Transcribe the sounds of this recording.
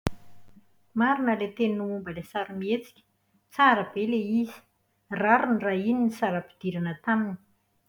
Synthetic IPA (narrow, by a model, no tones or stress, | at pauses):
maɾinəlet̪enuumbəlesaɾumiet͡si̥kʲə̥ | t͡saɾəbeleizi̥ | raɾuniraininisaɾəpi̥d̪̥iɾanət̪amini̥